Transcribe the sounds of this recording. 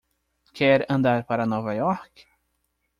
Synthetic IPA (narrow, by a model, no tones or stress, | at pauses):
kʰɛɾənd̪aɾpaɾanɔvajɔk